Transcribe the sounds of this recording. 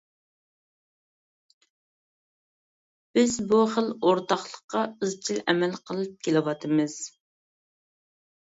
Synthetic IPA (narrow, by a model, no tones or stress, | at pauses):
b̥ɪzbuχəlˠoɾt̪ɑχlˠəqːɑɨzt͡ʃʰilɛmɛlqʰəlˠɨp̚kʲʰelɪwɑt̪ʰɨmɨz̥